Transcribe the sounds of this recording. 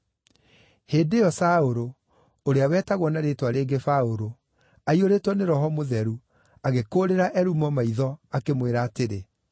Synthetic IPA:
heːdejɔsaoɾo | oɾeawɛːtaɣwɔnaɾetwaɾeːɡefaoɾo | aioɾetwɔneɾɔɦɔmoðɛɾu | aɣekoːɾeɾaʔɛɾumɔmaiðɔakemweɾaːteɾe

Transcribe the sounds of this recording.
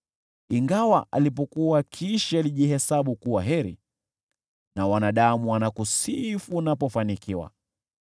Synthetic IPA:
iŋɡawaʔa̰lip̬ɔkuwakʰiʃialiʄihɛsaɓukuwaɦɛɾḭ | nawanaɗamuanakusifunapɔfanikiwa̰

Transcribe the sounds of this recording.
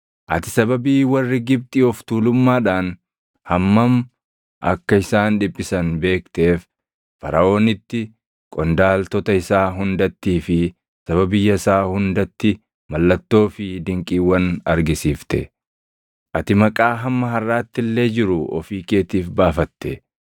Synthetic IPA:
ʔɐt̪ɪsɐbɐbiːwɐrːɪɡɪb̚t̪ʼɪɔft̪uːlʊmːaːᶑaːn | hɐmːɐm | ʔɐ̰kːɐɪsaːnᶑɪbʼːɪsɐnbe̞ːkt̪e̞ːf | fɐ̰ɾɐʔo̞ːnɪt̪ːɪ | kʼɔnd̪aːlt̪ɔt̪ɐɪsaːɦʊnd̪ɐt̪ːiːfɪ | sɐβɐbɪjːɐɪsaːhʊnd̪ɐt̪ːɪ | mɐlːɐt̪ːo̞ːfɪd̪ɪŋkʼiːwɐnɐɾɡɪsiːft̪ɛ̰ | ʔɐt̪ɪmɐkʼaːɦɐmːɐɦɐrːaːt̪ːɪlːe̞ːd͡ʒɪɾʊɔ̰fiːkʼe̞ːt̪iːfbaːfɐt̪ːe

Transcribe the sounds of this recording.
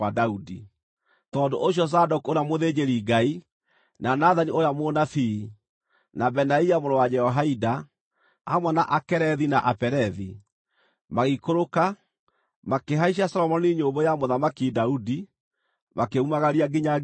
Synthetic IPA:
adaudi | tɔːdoʔoɕ̬jɔs̬adɔkoɾamoðed͡ʑeɾiːɡai | nanaðaniojamonaθi | nabɛnaiamonɔwad͡ʒɛɔɦaida | amwɛnaʔakɛɾɛðinaʔapɛɾɛði | maɣikoɾoka | makeɦaiʃ̬asɔlɔmɔniɲobɔjamoðamakidaudi | makeumaɣaɾiaɡiɲa

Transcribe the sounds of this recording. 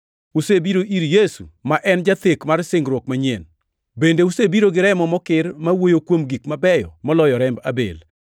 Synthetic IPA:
usebiɾoʔiɾjesṵmaʔɛnd͡ʒat̪ekmarsɪŋɡɾwokmaɲen | bendeusebiɾoɡɪɾɛmɔmɔkɪrmawojokwomɡikmabɛjɔ̰mɔlɔjɔɾɛmbabḛl

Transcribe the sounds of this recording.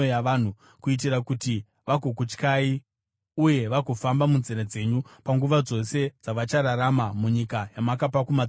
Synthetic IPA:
ojaʋaːn̤u | kuit̬irakuti | ʋaɡʱok̬ut͡ʃkai | uje̞ʋakufambamunzeɾed͡ze̞ɲupaŋɡuʋad͡zo̞se̞d͡zaʋat͡ʃaɾaɾamamuɲikajamakapakuma

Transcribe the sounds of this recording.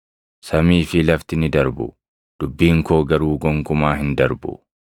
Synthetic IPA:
sɐmiːfɪlɐft̪ɪnɪd̪ɐɾbʊ̰ | d̪̥ʊbːiːŋkoːɡɐɾuːɡɔŋkʊmaːɦɪnd̪ɐɾbʊ̰

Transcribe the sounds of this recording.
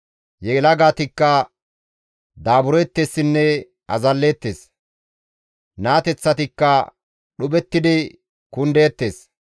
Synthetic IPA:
jɛlɐɡaːt̪ɪkːɐ | d̪aːbʊɾɔjɛt̪ːesːɪnːɛ | ɐ̰zɐlːe̞ːt̪ːeːs | naːt̪ɛt͡sːɐt̪ɪkːɐ | ɗʊbɛt̪ːɪd̪ɪ | kʊnd̪e̞ːt̪ːe̞ːs

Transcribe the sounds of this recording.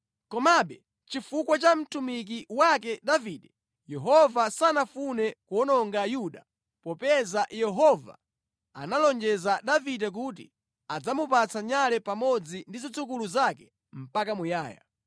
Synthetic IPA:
kɔmaɓɛ | t͡ʃifukwat͡ʃam̩tumik̬iwak̬ɛdaviːɗɛ | jɛɦɔvasanafunɛkuɔnɔŋɡajuɗa | pɔpɛzajɛɦɔva̰ | a̰nalɔnd͡ʒɛzaɗavidɛk̬ut̬ḭ | ad͡zamupat͡sʰaɲalɛpamɔd͡zindizit͡sukuluzakɛ̥ | m̩pakamujaːja̰

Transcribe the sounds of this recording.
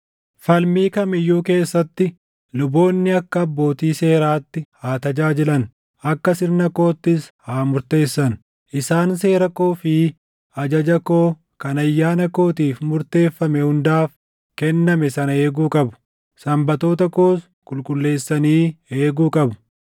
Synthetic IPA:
fɐlmiːkɐmɪjːuːke̞ːsːɐt̪ːɪ | lʊbo̞ːnːɪɐkːɐɐbːo̞ːt̪iːse̞ːɾaːt̪ːɪhaːt̪ɐd͡ʒaːd͡ʒɪlɐn | ʔɐkːɐsɪɾnɐko̞ːt̪ːɪshaːmʊɾt̪e̞ːsːɐn | ʔɪsaːns̬e̞ːɾɐko̞ːfi | ɐd͡ʒɐd͡ʒɐko̞ː | kɐnɐjːaːnɐko̞ːt̪iːfmʊɾt̪e̞ːfːɐmɛhʊnd̪aːf | kɛnːɐmɛsɐnɐe̞ːɡuːkʼɐbʊ̥ | sɐmbɐt̪o̞ːt̪ɐko̞ːs | kʼʊlkʼʊlːe̞ːsːɐniːeːɡuːkʼɐbʊ̥

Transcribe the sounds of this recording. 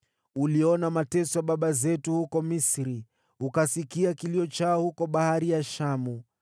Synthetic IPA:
uliɔnamatɛsɔaɓaɓazɛtuhukɔmisɾi | ukasikiakiliɔt͡ʃaɔhukɔɓahaɾijaʃamu

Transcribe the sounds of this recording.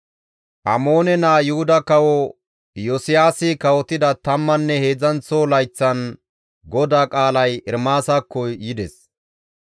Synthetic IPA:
ʔɐmoːnɛnaːjʊhʊd̪ɐkɐwɔ | jɔsɪjaːsɪkɐwɔt̪ːɪd̪ɐt̪ɐmːɐnːɛhe̞ːd͡zɐnt͡solɐjt͡sːɐn | ɡɔd̪aːkʼaːlɐjɪɾmaːsakːɔjɪd̪ɛs

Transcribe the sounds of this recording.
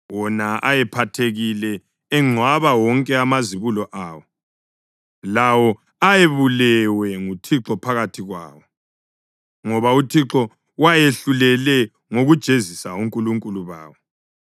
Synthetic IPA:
wɔnaʔajɛpʰatʰeɣilɛː | ŋ͡ǀʱwaβawɔŋkʼɛamaziβulɔʔaːwɔ | lawɔ | ajeβulɛwɛŋutʰiǁɔpʰaɣatʰiɣwa̰ːwɔ | ŋɔβautʰiǁɔ | wajeɬulɛlɛ | ŋoɣud̥ʒ̥ʱezisauŋkʼuluŋkʼuluβa̰ːwɔ

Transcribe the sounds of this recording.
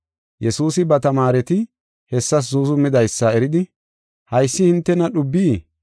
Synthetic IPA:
jɛsuːsɪbɐt̪ɐmaːɾɛt̪ɪ | hɛsːɐs̬zuzʊmɪd̪ɐjsːɐɛɾɪd̪ɪ | hɐjsːɪhɪnt̪ːɛnɐɗʊbːiː

